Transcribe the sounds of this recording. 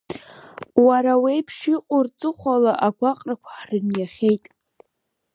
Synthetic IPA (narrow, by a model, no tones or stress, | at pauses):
waɾawejpʰʂiqʷʼʊrt͡sʼɨχʷalaʔaɡʷaqʼrakʷʰḁħrɨnjaχʲe̞jtʼ